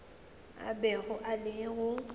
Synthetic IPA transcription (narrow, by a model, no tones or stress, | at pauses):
a̰bɛɣʊʔalɪɣʊ